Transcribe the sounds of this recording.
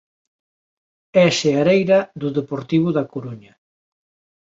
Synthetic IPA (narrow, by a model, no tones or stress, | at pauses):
ɛseaɾejɾɐðuðepoɾt̪iβ̞ʊðakoɾuɲɐ